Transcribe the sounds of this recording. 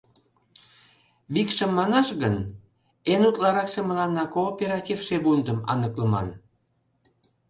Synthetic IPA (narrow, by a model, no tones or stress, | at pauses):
βikʃəmːɑnɑʃɣən | enut̪lɑɾɑksemə̆lɑnːɑkoːpʲeɾɑtʲifʃeβund̪əmɑ̰nəkləmɑ̰n